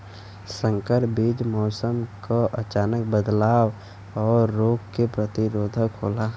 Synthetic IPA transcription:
sə̃ŋkəɾbiːd͡ʒmɔːsəmkaʔət͡ʃaːnək̚bəd̪laːw | ɔːɾːoːɡkepɾət̪iɾoːd̪ʱəkɦolaɦ

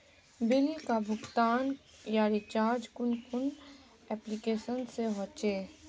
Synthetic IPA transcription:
bɪlkabʱʊɡt̪aːnjaɾit͡ʃaːɾd͡ʒkʊnkʰʊn | ɛːplikeːʃənseɦɔt͡ʃeː

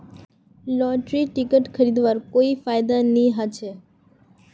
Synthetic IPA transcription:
lɔʈɾiʈikəʈkʰəɾid̪ʋaɾkoifajd̪anĩɦat͡ʃʰe

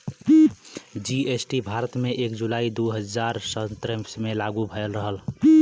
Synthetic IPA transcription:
d͡ʒiesʈibʱaɾət̪meʔekd͡ʒulaid̪uɦəd͡ʒaɾsət̪ɾəmsmelaɡubʱəjlɾəɦəl

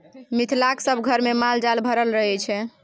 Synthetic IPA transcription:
mit̪ʰlaksəbʱɡʱəɾmemald͡ʒalbʱəɾəlɾəɦɛt͡ʃʰɛ

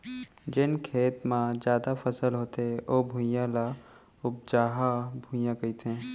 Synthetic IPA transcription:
d͡ʒɪnkʰeːt̪mãzjaːd̪afʰɐsəlɦoːt̪eʔoːbʱũjãla | ʊb̚d͡ʒaːɦabʱũjãkɐit̪ɦẽː

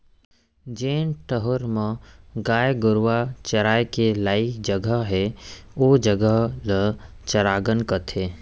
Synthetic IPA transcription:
d͡ʒeːnʈəɦʊɾmə̃ɡaːjɡʊɾʋat͡ʃɐɾaːekelaːɪkd͡ʒəɡəɦɛoːd͡ʒəɡəɦlə | t͡ʃəɾaːɡənkət̪ʰeː

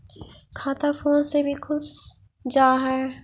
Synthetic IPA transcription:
kʰaːt̪afoːnsebʱikʰʊs | d͡ʒaːɦɛː

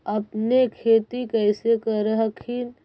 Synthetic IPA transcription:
əpnekʰeːt̪ikɛɪsekəɾəɦəkʰin

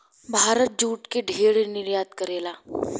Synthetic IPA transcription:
bʱaːɾət̪̚d͡ʒuːʈkeɖʱeːɽenɪɾjaːt̪kəɾeːlaː

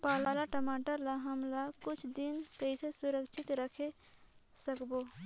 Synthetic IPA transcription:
palalaʈəmaʈəɾlaɦəmlakut͡ʃʰd̪inkəisesuɾəkt͡ʃʰit̪ɾəkʰe | səkbo

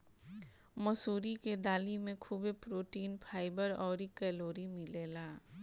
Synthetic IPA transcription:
mɐsuːɾiked̪aːlimẽkʰubepɾoːʈiːnpʰaːɪbəɾɔːɾikɛːloːɾimɪleːlaː

